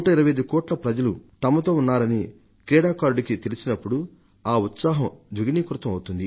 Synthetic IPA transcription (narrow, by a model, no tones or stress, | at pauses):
ʈːɐiɾɐʋɐjɐd̪ukɔːʈlɐpɾɐd͡ʒɐlut̪ɐmːɐt̪o̞ːunːaːɾɐni | kɾɛːɽaːkaːɾɖikit̪elisinɐpːuɽu | aːut̪saːɦɐmd̪ʋiɡiniːkuɾt̪ɐmɐwut̪und̪i